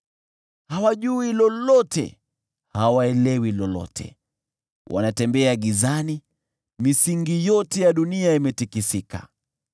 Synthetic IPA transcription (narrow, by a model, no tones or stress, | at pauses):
hawaʄuilɔlɔtɛ̰ | hawaɛlɛwilɔlɔ̰tʰɛ̰ | wʔa̰natɛmbɛaɠizani | misiŋɡijɔtɛjaɗuniaimɛtikisika̰